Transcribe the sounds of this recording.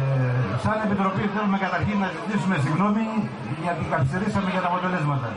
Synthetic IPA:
sɐne̞pit̪ɾo̞piθelume̞kɐt̪ɐɾçinːɐtit̪isume̞siɣno̞mi | ʝɐt̪ikɐθist̪eɾisɐmeʝɐt̪ɐpot̪olezmɐt̪ɐ̰

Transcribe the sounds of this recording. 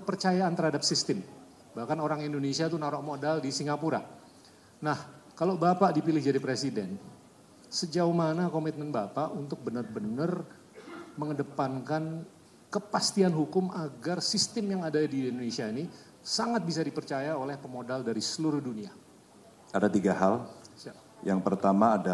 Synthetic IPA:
əpərt͡ʃajaːnt̪ərɦhadap̚sist̪ɪm | bahkanoɾaŋindonesiat̪unaɾɔʔmodaldisiŋɡapuɾa̰ | nahkalobapaʔdipilɪhd͡ʒadipɾesidɛ̰n | səd͡ʒauhmanakomit̪̚mɛnbapaʔunt̪ʊk̚bənərbənər | məŋədəpankan | kəpast̪ianɦukʊmaɡarsist̪əmjaŋadadindonesiaini | saŋat̪̚bis̬adipərt͡ʃajaolɛhpəmodaldaɾisəluɾʊhdunia | adat̪iɡahal | jaŋpərt̪amaːda

